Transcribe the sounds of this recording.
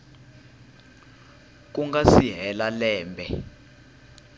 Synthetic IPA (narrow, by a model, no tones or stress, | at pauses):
k̬uŋɡasiɦɛlalɛːmbʱɛ